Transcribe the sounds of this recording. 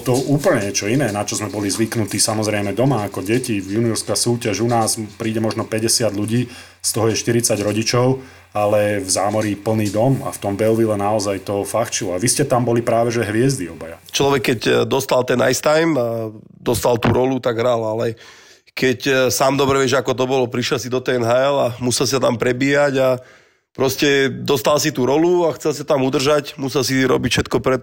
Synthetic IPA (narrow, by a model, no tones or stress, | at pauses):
t̪ɔuːpl̩ɲɛɲɛt͡ʃɔinɛːnat͡ʃɔzmɛbɔlizʋiknut̪iːsamɔzɾɛjmɛd̪ɔmaːkɔɟɛcivjuniɔɾskasuːcaʒunaːspɾiːɟɛmɔʒnɔpɛɟɛsɪad̪ʎuɟiː | st̪ɔɦɔjɛʃt̪iɾit͡saɟɾɔɟit͡ʃɔʊ | alɛvzaːmɔɾipl̩niːd̪ɔma̰ft̪ɔmbɛlʋilɛnaɔzajt̪ɔfaxt͡ʃilɔaʋiscɛt̪ambɔlipɾaːʋɛʒɛɦʋɪɛzd̪iɔbajat͡ʃlɔʋɛkːɛcd̪ɔst̪alt̪ɛna̰jst̪ajma | d̪ɔst̪alt̪ṵːɾɔlut̪aɡɦɾalalɛ | kɛcsaːmd̪ɔbɾɛʋɪɛʒɛakɔt̪ɔbɔlɔpɾiʃɛls̬id̪ɔt̪ɛɛnɦaɛlamusɛlsisat̪ampɾɛbiːaɟa | pɾɔscɛd̪ɔst̪alsit̪uːɾɔluaxt͡sɛlsisat̪amud̪r̩ʒacmusɛlsiɾɔ̰bicfʃɛt̪kɔpɾɛ